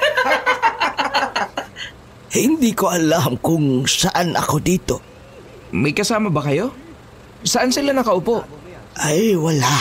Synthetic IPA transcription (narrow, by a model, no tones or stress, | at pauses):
hɪnd̪iːkoʔɐlamkʊŋsɐʔanʔɐ̰ko̞d̪iːt̪o̞ | mɐjkɐsaːmɐbɐkɐjo̞ | sɐʔansɪlanɐkɐʔʊpo̞ʔʔɐjwɐla